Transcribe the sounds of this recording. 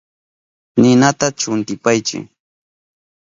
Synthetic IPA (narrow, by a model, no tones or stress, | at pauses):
nɪnat̪at͡ʃʊnt̪ɪpajt͡ʃɪ̰ŋ